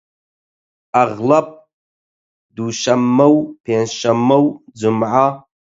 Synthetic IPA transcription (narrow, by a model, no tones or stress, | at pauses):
aʁlap̚ʼ | duʃɐmːɐwpʰenʃɐmːɐwd͡zɨmʕa